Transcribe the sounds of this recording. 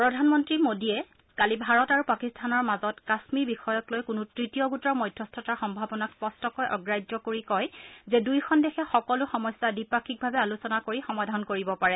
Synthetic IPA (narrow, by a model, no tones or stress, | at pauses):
pɹɔdʱanmɔntɹimodiɛ | kalibʱaɹɔtaɹupakistʰanɔɹmazɔtkasmiɹbixɔjɔklojkʊnutɹitijɔɡutɔɹmɔjdʱjɔstʰɔtaɹxɔmbʱabɔnakspɔstɔkɔjʔɔɡɹajd͡ʒɔkoɹikɔjzɛdujxʰɔndɛxʰɛxɔkɔlʊxɔmɔjsːadipakʰik̚bʱabɛalusɔnakoɹixɔmadʱankoɹibɔpaɹɛ